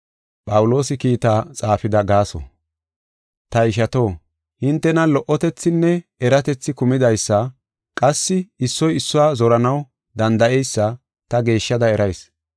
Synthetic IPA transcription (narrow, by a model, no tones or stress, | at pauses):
pʼɐwʊlo̞ːsɪkiːt̪aːt͡sʼaːfɪd̪ɐɡaːsɔ̰ | t̪ɐɪʃɐt̪o̞ː | hɪnt̪ːɛnɐlɔʔɔt̪ɛt͡sːɪnːɛɛɾɐt̪ɛt͡sːɪkʊmɪd̪ɐjsːɐ | kʼɐsːɪɪsːɔjɪsːʊwaːzɔɾɐnɐw | d̪ɐnd̪ɐʔɛjsːɐ | t̪ɐɡe̞ːʃːɐd̪ɐɛɾɐjs